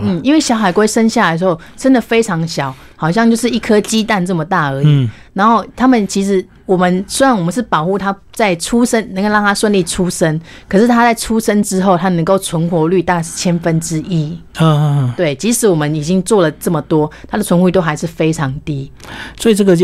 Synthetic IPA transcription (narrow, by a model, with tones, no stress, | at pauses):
n̩˥˩i˥nwe˥˩ɪɕjɑ˧˥ʊxa˨˩ɪkwe˥ɪʂə˥nɕja˥˩ləʂ̩˧xo˥˩ʊʈ͡ʂə˥nd̪ə˨fe˥ɪʈ͡ʂʰɑ˧˥ŋɕjɑ˨˩˦ʊ | xɑ˨˩ʊɕ̬jɑ˥˧ŋt͡ɕjo˥˧ʊʂɻ̩˥˩i˥˩kʰɤ˥t͡ɕi˥t̪a˥˧nʈ͡ʂə˥˩mə˩t̪a˥˩ə˧˥˦i˨˦na˧˥nxo˥˩ʊt̪ʰa˥mə˨nt͡ɕʰi˧˥ʂɻ̩˧˥ | wɔ˨˩mə˨˦nswe˥ɪɻɑ˥˩ŋwɔ˨˩mə˦nʂɻ̩˥˩pɑ˨˩ʊxu˥˩t̪ʰa˥t͡sa˥˩ɪʈ͡ʂʰu˥ʂə˥nnə˧˥ŋko˥˧lɑ˥˨ŋt̪ʰa˥ʂwə˥˧nli˥˩ʈ͡ʂʰu˦ʂə˥n | kʰɤ˨˩ʂɻ̩˥˩t̪ʰa˥t͡sa˥˩ɪʈ͡ʂʰu˥ʂə˥nʈ͡ʂɻ̩˥xo˥˩ʊt̪ʰa˥nə˧˥ŋko˥˩ʊt͡sʰwə˧˥nxwɔ˧˥ly˥˧t̪a˥˧kʂt͡ɕʰjɛ˥nfə˦nʈ͡ʂɻ̩˥ʔi˦˥˧ | t̪we˥˩ɪt͡ɕi˧˥ʂɻ̩˧˥wɔ˨˩mə˨˦ni˨˩t͡ɕi˦˥ŋt͡swɔ˥˩lə˩ʈ͡ʂə˥˩mə˩t̪wɔ˥t̪ʰa˥d̪ə˨t͡sʰwə˧˥nxu˥˧t̪o˥ʊxa˧˥ɪʂɻ̩˥˩fe˥ɪʈ͡ʂʰɑ˨˧˦ŋt̪i˥ | swɔ˧˥i˨˩ʈ͡ʂə˥˩ɡə˨